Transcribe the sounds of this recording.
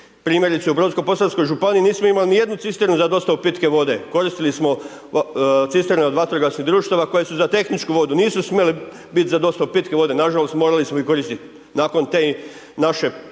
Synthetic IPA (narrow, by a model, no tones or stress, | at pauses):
pɾiːmjeɾit̪seubɾonsko̞po̞sansko̞jʒupaniiniːsmoimalinije̞d̪nut̪sist̪eɾnuzad̪o̞st̪aupit̪ke̞ʋo̞d̪e̞ko̞ɾist̪ilismo̞ | t̪sist̪eɾneod̪ʋat̪ɾoɡasniɦd̪ɾuːʃt̪aʋako̞je̞suzat̪e̞xnit͡ʃkuʋo̞d̪uniːsusmjeli | bit̪zad̪o̞st̪aupit̪keʋo̞d̪e̞naʒalost̪moːɾalismoiko̞ɾist̪it̪ | naːko̞nt̪e | naʃe̞